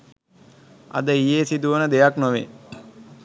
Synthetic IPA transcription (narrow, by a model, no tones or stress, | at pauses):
a̰d̪əijeːsid̪uʋənəd̪ejaknoʋḛ